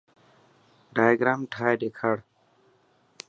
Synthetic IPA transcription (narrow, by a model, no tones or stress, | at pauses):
ɖajɡɾamʈʰajdekʰaɽ